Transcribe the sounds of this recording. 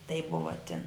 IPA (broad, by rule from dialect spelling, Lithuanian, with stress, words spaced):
tɐɪp ˈbʊʋɐ tʲɪn